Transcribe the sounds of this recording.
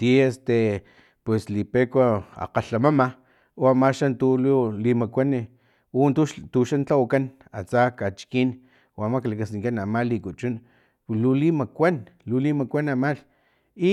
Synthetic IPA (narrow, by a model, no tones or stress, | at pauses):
t̪iest̪e | pweslipekʷaa̰qaɬamama | oamaʃant̪ululimakʷani | unt̪ut̪uʃant͡ɬawakan | a̰t͡sakat͡ʃkin | wamaklakasiŋkanamalikut͡ʃun | lulimakʷan | lulimakʷanamal | i